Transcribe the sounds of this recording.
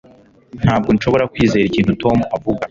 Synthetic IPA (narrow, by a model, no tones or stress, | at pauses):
n̥haːb̚ɡo̞nʃo̞βo̞ɾakwiːze̞ːɾiciːntuto̞muavuɡa